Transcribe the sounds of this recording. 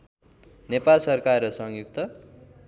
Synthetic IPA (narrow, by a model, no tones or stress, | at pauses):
nepalsʌrkarʌsʌŋjukt̪ʌ